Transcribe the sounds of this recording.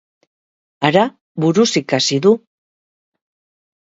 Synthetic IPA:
aɾa | βuɾusikasiðu

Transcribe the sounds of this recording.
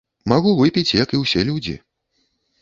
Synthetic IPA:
maɣuvɨpʲit͡sʲjɐkiwsʲɛlʲud͡zʲḭ

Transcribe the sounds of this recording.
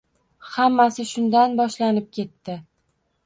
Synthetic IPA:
hamːasɪʃʊnd̪anbɒʃlanɪp̚kʲʰe̞t̪ːɪ

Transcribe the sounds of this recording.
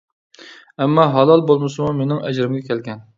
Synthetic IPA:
ɛmːɑɦɑlˠɑlˠbolˠmɨsɨmumenɪŋɛ̰d͡ʒɾɪmɡʲɛkʲʰɛlɡʲɛn

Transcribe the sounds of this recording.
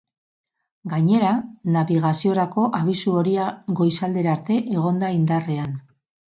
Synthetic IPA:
ɡaɲe̞ɾanaβiɣ̞asio̞ɾako̞ʔaβisuo̞ɾiaɡo̞jsald̪e̞ɾaɾt̪e̞ʔeɣ̞o̞nd̪aind̪are̞an

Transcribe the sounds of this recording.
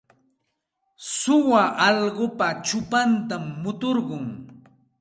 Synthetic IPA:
sʊwaʔɑʎɢopat͡ʃʊpant̪amːʊt̪oɾɢʊŋ

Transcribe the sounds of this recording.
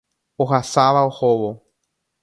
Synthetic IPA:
oɦasaʋaohoʋo

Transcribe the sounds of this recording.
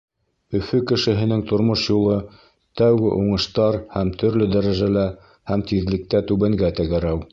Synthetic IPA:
ɵ̆fɵkɘ̆ʃɘ̆ɦɘ̆nɘŋt̪ŏɾmoʃjulˠɤ | t̪æwɡɘ̰ʔuɴɤ̆ʃt̪ɑɾhæmt̪ʰɵ̆ɾlɵd̪æɾæʒælæ | hæmt̪iðlɘ̆k̚t̪æt̪ʉβæŋɡæt̪æ̆ɡæɾæw

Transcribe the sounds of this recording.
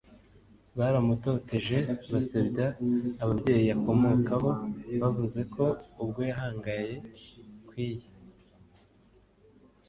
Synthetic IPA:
βaɾamuto̞ːte̞ʒe̞βasabɟaːβabɟe̞ːjiβako̞mo̞kaβo̞βavuze̞kʰo̞ubɡo̞jaɦaːŋɡaje̞kwiːje

